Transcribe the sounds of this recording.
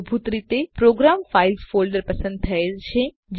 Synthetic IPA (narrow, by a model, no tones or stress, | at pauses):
bʱut̪ɾit̪epɾoːɡɾaːmfaːɪzfoːlɖəɾpɐsə̃nd̪̚t̪ʰɐelʃʰẽ | d͡ʑ